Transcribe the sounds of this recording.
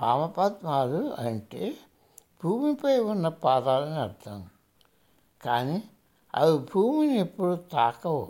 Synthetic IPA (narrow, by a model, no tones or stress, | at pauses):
paːmɐpaːt̪maːluɐɳʈeː | bʱuːmipɐjunːɐpaːd̪aːlɐniɐɾd̪ʰʱɐm | kaːni | ɐ̰ðibʱuːminiepːuɽut̪aːkɐw